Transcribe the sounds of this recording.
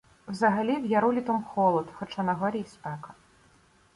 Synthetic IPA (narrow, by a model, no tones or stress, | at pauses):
wzɐɣalʲiwjaɾulʲit̪ɔmxɔlˠɔt̪xɔt͡ʂanɐɣɔɾʲijsʲpɛkɐ